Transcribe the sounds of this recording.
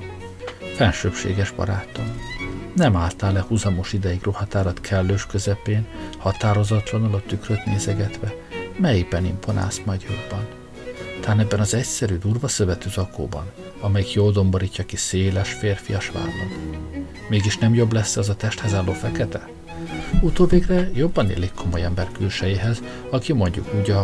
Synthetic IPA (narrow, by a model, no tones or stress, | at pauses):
fɛnʃøːpʃḛːɡɛʒbɒ̰ɾaːt̪o̞mnɛmaːlt̪aːlɛhuzɒmo̞ʃid̪ɛjiɡrohɒt̪aːɾɒt̪kʰɛlːøːʃkøzɛpeːnhɒt̪aːɾo̞zɒt̪lɒnɒlɒt̪ːykrøt̪neːzɛɡɛt̪ʋɛmɛjibɛnḭmponʔa̰ːst̪mɒd̪jo̞bːɒn | t̪aːnɛbːɛnɒzɛcsɛɾyd̪uːrvɒsøvɛt̪øːzɒko̰ːbɒ̰n | ɒmɛjikjoːld̪o̞mboɾiːcːɒkiseːlɛʃfeːrfijɒʃʋa̰ːlnɒd̪ | meːɡiʃnɛmjo̞blɛsːɛɒzɒt̪ɛʃt̪hɛzaːlːoːfɛkɛt̪ɛ | ut̪oːveːɡrɛjo̞bːɒnḛːlikʰːo̞mo̞jɛmbɛrkøːʃɛjiɦɛz | ɒkimo̞ɲɟṵkuːɟɒ